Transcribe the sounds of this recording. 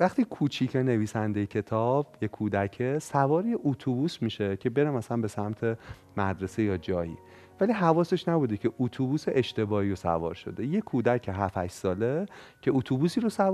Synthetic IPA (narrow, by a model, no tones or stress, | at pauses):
væχt̪iːkʰuːt͡ʃʰiːcʰene̞viːsænd̪ejecʰe̞t̪ʰɒːb̥jekʰud̪æcʰesævɒːɾijeʔut̪ʰubuːsmiːʃe̞cʰe̞be̞ɾemæsælænbe̞sæmt̪ʰe | mæd̪ɾe̞se̞jɒːd͡ʒɒːhḭː | væliːɦævɒːse̞ʃnæbuːd̪ecʰe̞ʔut̪ʰubuːseʔeʃt̪e̞bɒːiːjosæ̰vɒ̰ːɾʃo̞̰d̪ejekʰud̪ækʰeɦæfæʃsɒːlecʰe̞ut̪ʰubuːsiːɾosæ